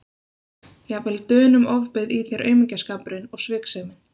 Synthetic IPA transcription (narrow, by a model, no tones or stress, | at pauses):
jɛvɪlt̪œːnʏmɔvpɪðiθeɾʔœ̰ːɥmɪɲcaskapɾɪnɔɣsvɪːksɛmɪn